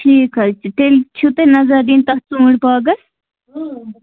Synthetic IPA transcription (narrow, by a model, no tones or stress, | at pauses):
ʈʰiːkɐt͡ʃʰiʈ̪elt͡ʃʰut̪enɐzɐɾd̪iːnt̪ɐht͡sũːɽpaːɡɐs